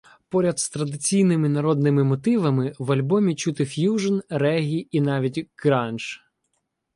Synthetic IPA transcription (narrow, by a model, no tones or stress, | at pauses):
pɔɾʲɐd̪st̪ɾɐd̪ɪt͡sʲijnɪmɪnɐɾɔd̪nɪmɪmɔt̪ɪʋɐmɪʋɐlʲbɔmʲit͡ʃut̪ɪfʲjuʒɐnrɛɦʲiinɑʋʲitʲɡ̥ɾɑnt͡ʃ